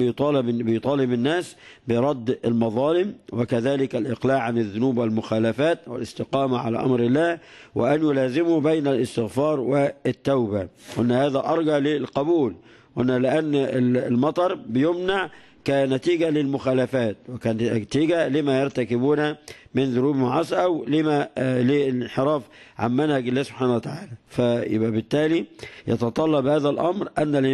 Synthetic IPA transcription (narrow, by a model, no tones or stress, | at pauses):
t̪ˤɑːbɪjt̪ˤɑːlɪmɪnːæːsbɪɾˤɑd̪ːɪlmɑðˤɑːlɪmwɪkæðaːlɪkalʔɪqlaːʔʕanɪðːʊnuːbwalmʊxaːlafaːt̪wɪ̰lɪst̪ɪqɑːmaʕa̰la̰ːʔɑ̰mɾɪlːæːhwɪʔanjʊlaːzɪmʊbajnalʔɪst̪ɪɣfɑːɾˤwɪt̪ːawbawʔɪnːhaːðæʔɑɾˤɡɑʕlɪlqɑbuːl | wʔnːælɪʔanːlmɑt̪ˤɑɾˤbɪjomnaʕ | kænæt̪iːɡælɪlmʊxæːlæfæːt̪̚wɪkæːnt̪iːɡælɪmæjɑɾˤt̪ækɪbuːnæmɪnðʊɾuːbmʊʕɑsˤʔæwlemælelɪnħeɾˤɑːfʕa̰mmænhæɡɪlːæːsob̥ħaːnæwæt̪aʕaːlæfæjɪ̰bʔæbɪt̪ːæːlijɑt̪ɑt̪ˤɑlːɑbhæːðælʔɑmɾʔænːæ